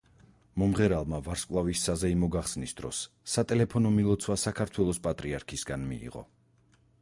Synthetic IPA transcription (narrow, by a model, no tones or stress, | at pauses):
mɔmʁɛɾalˠmavaɾskʼvlˠavisːazɛimɔɡaχsnisd̪ɾɔ̰sː | at̪ʼɛlɛpʰɔnɔmilˠɔt̪sʰwasakʰaɾt̪ʰwɛlˠɔspʼat̪ʼɾiaɾkʰisɡanmḭːʁɔ̰